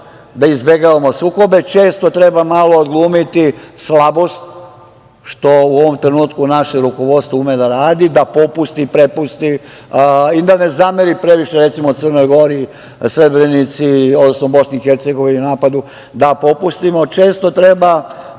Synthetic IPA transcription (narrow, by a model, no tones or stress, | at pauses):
d̪aizbe̞ɡaʋamo̞suːko̞be̞t͡ʃe̞ːst̪o̞t̪ɾe̞bamalˠo̞ːd̪ɡlˠuːmit̪islabo̞st̪̚ | ʃt̪o̞uoʋo̞mt̪ɾe̞nuːt̪kunaʃeɾuko̞ʋo̞d̪st̪voumed̪aɾaːd̪id̪apopust̪ipɾe̞pust̪i | id̪ane̞zameɾipɾe̞ʋiʃeɾe̞t̪simout̪sərnojɡo̞ɾi | sɾe̞bɾenit̪siod̪nosnobo̞sniːxe̞ɾt̪seɡo̞ʋininaːpad̪u | d̪apo̞pust̪imo̞t͡ʃe̞ːst̪o̞t̪ɾe̞ba